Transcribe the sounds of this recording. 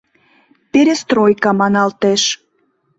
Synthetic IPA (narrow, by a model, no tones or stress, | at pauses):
pʲeɾʲest̪ɾojkɑmɑnɑlt̪eʃ